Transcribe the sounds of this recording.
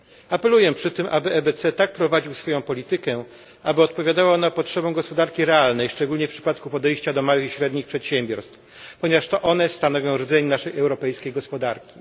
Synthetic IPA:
apɛlujɛpʂɘt̪ɘmʔabɘʔɛbɛt̪sɛt̪ak̚pɾɔvad͡ʑiwsfɔjɔ̃w̃pɔlʲit̪ɘkɛ | ʔabɘɔt̪pɔvʲjad̪awanapɔtʂɛbɛ̃w̃ɡɔspɔd̪aɾkʲiɾɛalnɛjʂt͡ʂɛɡulɲɛfpʂɘ̥pat̪kupɔd̪ɛjɕt͡ɕad̪ɔmawɘxiɕɾɛd̪ɲixpʂɛt̪ɕɛmbʲjɔɾst̪f | pɔɲɛvaʂt̪ɔʔɔnɛst̪anɔvʲjɔ̃w̃ɾd̪zɛɲɛnaʂɛjɛwɾɔpɛjskʲejɡɔspɔd̪aɾkʲi̥

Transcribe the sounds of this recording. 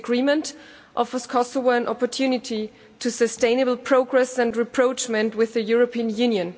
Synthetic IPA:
ɡɹimə̃nt | ʔɔfəz̥kʰɔsɔvəə̃nʔɔpə˞tʰjʉnɪtʰi | tʰɨsɨstẽɪ̃nəbl̩ˠpʰɹ̥oʊɡɹɛsɨ̃ndɹɨpʰɹ̥oʊt͡ʃmɛ̃ntwɪðɨjʊɹəpʰĩnjʉ̃njɨ̃n

